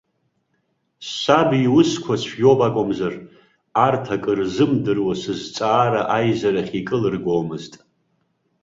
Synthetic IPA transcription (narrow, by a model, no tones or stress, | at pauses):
sːabiwʊskʷʰat͡sʷʰjobakʷʼomzar | artʰakʼɨrzɨmdɨrwasɨzt͡sʼaːɾaʔajzaɾaχʲikʼɨlɨrɡʷomɨztʼ